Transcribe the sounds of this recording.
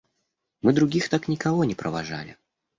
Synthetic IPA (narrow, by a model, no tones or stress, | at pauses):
mɨd̪ɾʊɡʲixt̪aknʲɪkɐvonʲɪpɾʔəvaʐa̰lʲɪ̰